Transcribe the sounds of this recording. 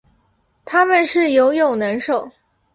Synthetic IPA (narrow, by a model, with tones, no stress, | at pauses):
t̪ʰa˥mə˨nʂɻ̩˥˩jo˧˥ʊjo˨˩ʊnə˧˥nʂo˨˩˦ʊ